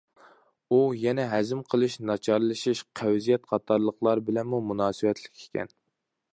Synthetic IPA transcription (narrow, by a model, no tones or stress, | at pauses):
ujɛnɛɦɛzɪmqʰəlˠɨʃnɑt͡ʃʰɑɾlˠɨʃiʃqʰæwzijɛt̪̚qʰɑt̪ʰɑɾlˠəχlˠɑɾbɪlɛnmumunɑːsɨwɛt̪ʰlɪ̥kʲʰe̥kʲʰɛ̰n